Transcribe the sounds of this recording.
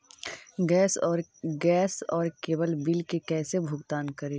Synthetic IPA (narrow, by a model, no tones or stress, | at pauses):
ɡɛːsɔːɾɡɛːsɔːɾkeːbəlbɪlkekɛːsebʱʊɡt̪aːnkɐɾeː